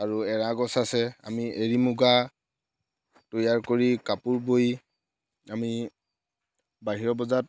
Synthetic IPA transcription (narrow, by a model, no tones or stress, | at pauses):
aɹuɛɹaɡɔsasɛa̰mieɹimuɡa | tojaɹkoɹikapuɹboj | ami | baɦiɹɔbɔzat̚